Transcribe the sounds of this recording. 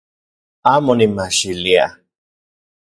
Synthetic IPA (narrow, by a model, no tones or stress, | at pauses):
amʊnimaʃilia̰